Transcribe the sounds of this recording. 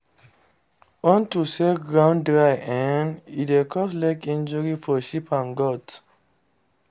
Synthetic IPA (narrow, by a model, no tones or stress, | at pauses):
ɔ̃ntuseɡɹãʊ̃ndɹaɪɛ̃nidekʰɔslɛkĩnd͡ʒɔɹifɔʃipãnɡɔt